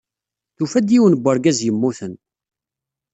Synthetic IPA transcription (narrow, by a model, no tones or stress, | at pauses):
θufæd̪jiwənbʷːəɾɡæzjəmːuθən